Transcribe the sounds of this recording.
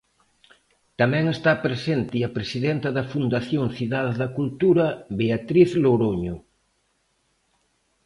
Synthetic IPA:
t̪amɛ̃ŋest̪apɾesent̪iɐpɾesiðent̪ɐðɐfund̪aθjoŋθiðaðeðɐkult̪uɾɐβeat̪ɾiθloɾoɲʊ

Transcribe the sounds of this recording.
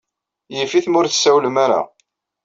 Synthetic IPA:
jifiθmʊɾθə̥sæwləmaɾa̰

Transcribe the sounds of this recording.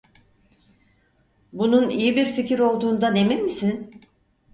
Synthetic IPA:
bununijibiɾficiɾo̞lˠd̪uːnd̪anemimːisin

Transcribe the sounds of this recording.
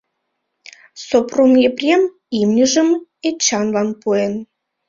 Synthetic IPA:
sopromjeprʲem | imnʲiʒə̆met͡ɕɑnlɑnpuen

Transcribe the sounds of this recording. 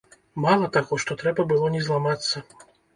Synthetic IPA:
malˠɐt̪aɣɔʂt̪ɔt̪ɾɛbɐbɨlˠɔnʲɛzlˠamat̪sːɐ

